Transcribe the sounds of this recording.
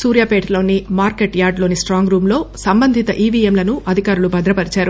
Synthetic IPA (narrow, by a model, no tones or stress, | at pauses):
suːɾjaːpeːʈʰlo̞ːnimaːɾkeʈjaːɾɖlo̞ːnisʈɾaːŋɡɾuːmlo̞ːsɐmbɐnd̪ʱit̪ɐʔiːʋiːemlɐnuʔɐd̪ʱikaːɾulubʱɐd̪ɾɐpɐɾit͡ʃaːɾu